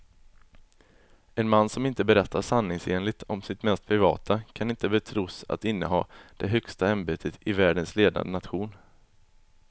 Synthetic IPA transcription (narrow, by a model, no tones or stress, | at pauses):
ɛnmanːsɔmɪnt̪əbɛɾɛt̪ʰːaʂanːɪŋseːnlɪɡ̚t̪ʰɔmsɪt̪mɛst̪̚pʰɾɪvɑ̰ːt̪ʰakʰanɪnt̪əbɛt̪ʰɾuːsa̰t̪ɪnːəɦɑːd̪̥ɛɦœkst̪aɛnbeːt̪ʰət̪ɪvæːɖənsleːd̪na̰d̪ənat̪ɧuːn